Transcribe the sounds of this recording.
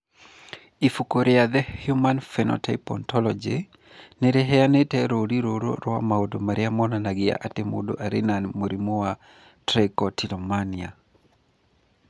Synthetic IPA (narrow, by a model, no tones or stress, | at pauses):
ifukoɾɪaðɛhjumanfɛnɔ̰tʰaɪpɔ̰ntɔlɔd͡ʒe | nɛɾɛɦɛanetɛɾoɾiɾoɾo̰ɾwamaodomaɾɪamɔnanaɡɪa̰ʔatemo̰do̰ʔaɾɪnanmoɾimoa | tɾekɔtilɔmania